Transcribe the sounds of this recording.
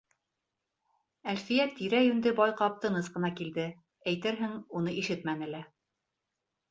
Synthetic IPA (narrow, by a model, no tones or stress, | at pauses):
ælfijæt̪ːiɾæjɵ̆nd̪ɘbɒjqɑp̚t̪ɤ̆nɤsqɤ̆nɑkild̪ɘ | æjt̪ɘɾɦɘŋunɤʔiʃɘt̪mænɘ̆læ